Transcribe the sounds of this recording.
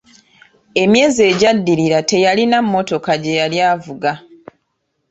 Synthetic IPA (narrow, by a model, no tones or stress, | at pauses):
e̞mje̞ːzie̞ɟadːiɾiɾate̞jalinamːo̞to̞kaɟe̞jaljaːvuɡa